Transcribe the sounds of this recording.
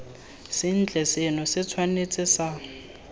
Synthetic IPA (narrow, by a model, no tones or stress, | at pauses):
sɪn̩t͡ɬʼɛsenʊsɪt͡sʰwanet͡sʼɪsa